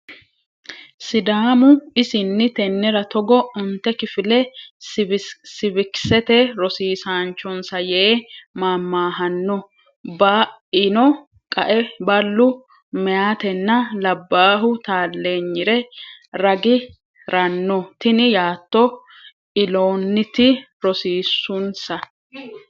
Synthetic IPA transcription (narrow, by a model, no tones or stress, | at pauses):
sɪd̪aːmʊɪsɪnːɪt̪ɛnːɪɾɐt̪ɔɡɔʊnt̪ːɛkɪfɪlɛ | sɪbɪksɛt̪ɛɾɔsiːsaːnt͡ʃːɔnsɐjeːmaːmːaːɦɐnːɔ | baɪnɔ | kʼɐʔɛbɐlːʊ | mɛjaːt̪ɛnːɐlɐbːaːɦʊt̪aːlːeːɲːɪɾɛɾɐɡɪ | ɾɐnːɔt̪ɪnɪjaːt̪ːɔ | ɪloːnːɪt̪ɪ | ɾɔsiːsːʊnsɐ